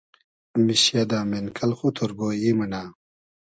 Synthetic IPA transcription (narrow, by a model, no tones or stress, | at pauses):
miɕjad̪aːmenkʰɐlxut̪ʰoɾɡoːjimɐnaː